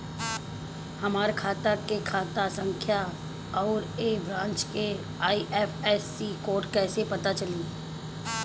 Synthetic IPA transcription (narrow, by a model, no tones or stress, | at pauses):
hɐmaːɾkʰaːt̪akekʰaːt̪asɐ̃ŋkʰja | ɔːɾeːbɾãːnt͡ʃke | aːiʔɛːfɛːsikoːɾʈkɛːsepɐt̪at͡ʃɐlĩː